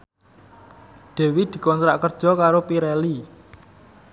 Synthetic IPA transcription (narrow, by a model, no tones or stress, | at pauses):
ɖ̪̥e̤wid̪̥i̤kɔnt̪ɾaʔkərd̥ʒ̥ɔ̤kaɾopiɾɛli